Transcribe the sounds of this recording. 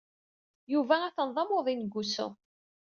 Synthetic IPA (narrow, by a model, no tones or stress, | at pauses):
juvææθənðˤɑmoðˤinɡʷːusʊ̰